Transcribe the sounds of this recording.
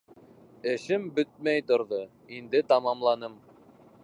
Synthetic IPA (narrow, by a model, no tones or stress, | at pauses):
ɘ̆ʃɘmbɵt̪̚mæjt̪ŏɾðo | ind̪ɘt̪ɑmɑmlˠɑnɤm